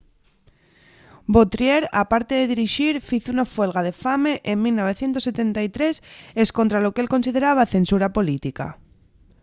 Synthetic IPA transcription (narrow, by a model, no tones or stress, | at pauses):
bot̪ɾjeɾapaɾt̪e̞ðe̞ðiɾiʃiɾfiθunafwe̞lɣað̞e̞fame̞ʔemmilno̞β̞e̞θje̞nt̪ose̞t̪e̞nt̪ajt̪ɾe̞se̞sko̞nt̪ɾalo̞kee̞lko̞nsið̞eɾaβ̞aθe̞nsuɾapo̞lit̪ika̰